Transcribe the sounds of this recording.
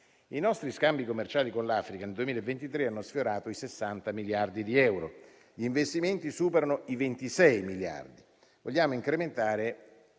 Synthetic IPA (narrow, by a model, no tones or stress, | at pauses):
inɔst̪ɾiskambikomːert͡ʃaːlikonlaːfɾikaneld̪uemiːlaevːent̪it̪ɾeanːosfjoɾaːt̪oisesːant̪amiljard̪id̪iɛwɾo̰ | ʎiːɱvest̪iment̪isuːpeɾanoivent̪isɛjmilja̰rd̪i | voʎːaːmoiŋkɾement̪aːɾe